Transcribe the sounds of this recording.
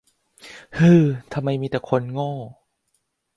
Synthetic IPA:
hɯː˧˩t̪ʰa˧mːa˧jmiː˧t̪ɛː˨˩kʰo˧nŋɔː˥˩

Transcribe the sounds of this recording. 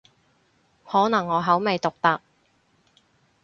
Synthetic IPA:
hɔː˨˥nɐ˨˩ŋːɔː˨˧ɦɐ˨˥wme˨˧jt̪ʊ˨k̚t̪ɐ˨k̚

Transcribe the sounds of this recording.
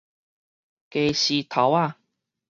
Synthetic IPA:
ke˨˩ɕi˨˧t̪ʰa˨˦wa˥˧˨

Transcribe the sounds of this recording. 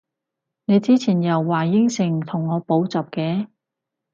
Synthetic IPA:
ne˨˧jt͡siː˥t͡sʰiː˨˩njɐ˨˩wːaː˨˩jɪ˥ŋsɪ˨˩ŋt̪ʰʊ˨˩ŋːɔː˨˧po˨˥wt͡sɐ˨p̚kɛː˧˥

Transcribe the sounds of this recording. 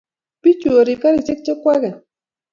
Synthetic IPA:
pi˦t͡ʃu˨o˨ɾi˨ka˦ɾi˨t͡ʃe˦k̚t͡ʃe˦kʷa˦ɣɛ˨

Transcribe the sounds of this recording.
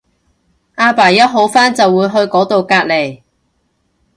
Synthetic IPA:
ʔaː˧paː˨˩jːɐ˥t̚ɦo˨˥wfaː˥nt͡sɐ˨wːuː˨˧jɦɵ˧ɥkɔː˨˥t̪o˨wkaː˧t̚le˨˩j

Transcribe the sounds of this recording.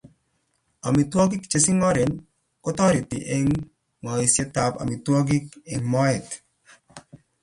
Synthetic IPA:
a˨mi˨twɔ˦ɡi˦kt͡ʃe˨sɪ˦ŋɔ˦ɾe˨n | kɔ˦tɔ˦ɾɪ˨tɪ̰˨ʔe˦ŋ | ŋɔ˨i˨sje˦t̪a˨pa̰˨mi˨twɔ˦ɡi˦ke˨mɔ˦ɛ˨t̪

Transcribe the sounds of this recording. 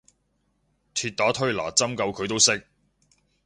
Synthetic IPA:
t̪ʰyː˧t̚t̪aː˨˥t̪ʰɵ˥ɥla̰ː˨˩t͡sɐ˥mkɐ˧wkʰɵ˨˧ɥt̪o˥wsɪ˥k̚

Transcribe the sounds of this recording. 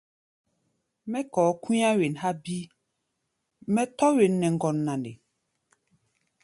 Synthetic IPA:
mɛ˦kɔː˨˦ku˦ã˦we˨nɦa˦bi˦ | mɛ˦tɔ˦we˨nːɛ˨ŋ˦ɡɔ˨nːã˨ndḛ˨

